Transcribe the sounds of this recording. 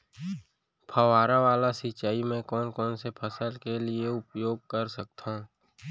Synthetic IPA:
pʰəʋaːɾaʋaːlasɪt͡ʃaːimẽkɔːnkɔːnsepʰɐsəlkelieʊpjoːɡ̚kɐɾsək̚t̪ʰã

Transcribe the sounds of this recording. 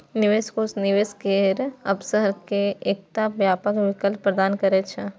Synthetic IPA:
nɪʋeːskoːsnɪʋeːskeɾɐpsəɾkeeːk̚t̪aʋjaːpəkʋɪkəlpːɾəd̪aːnkɐɾet͡ʃʰe

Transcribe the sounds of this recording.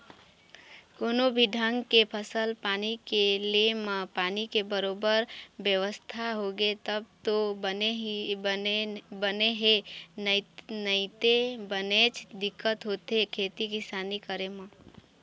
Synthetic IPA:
koːnobʱiɖʱə̃ŋɡkepʰəsəlpaːnikelemãpaːnikebəɾoːbəɾbjəʋəst̪ʰaɦoɡet̪əb̚t̪oe | bəneɦe | nəit̪ebənet͡ʃʰd̪ɪkːət̪ɦoːt̪ɦekʰeːt̪ikɪsaːnikəɾemã

